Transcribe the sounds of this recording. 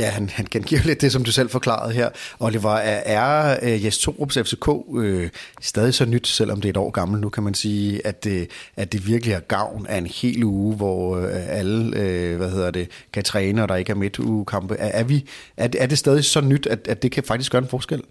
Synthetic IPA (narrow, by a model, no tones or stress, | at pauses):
jæhænhænkʰænɡ̥ḭɐ̰le̝d̥ːe̝sɒ̽md̥usel̰fɒ̽kʰlɑ̰̈ɐð̞̩ˠɦeɐ̰ɒ̽d̥e̝ʋɑ̈æʔæɐjest͡sʰo̝̰ːʁob̥sefse̝kʰɔ̰ːøsd̥ɛːð̞ˠisɒ̽nyd̥sel̰ʔɒ̽md̥e̝ɐedɒ̰ːɡ̥ɑ̈ml̩nukʰæmænsiːæd̥ædd̥e̝ʋiɐɡ̥əliæɐɡ̥ɑ̈ʊ̰næɐe̝nhe̝̰ːluːʋɒæləøʋæhe̝ð̞̰ˠɐd̥e̝kʰæt͡sʰʁɛːnəɒ̽ɾ̥ɑ̈e̝ɡ̥əæɐme̝d̥uːkʰɑ̈mb̥əʔæʔæɐʋiʔæɐdeæɐd̥e̝sd̥ɛːð̞ˠisɒ̽nyd̥æd̥æd̥e̝kʰæfɑ̈ɡ̥d̥isɡ̥ɶɐenfɒːsɡ̥el̰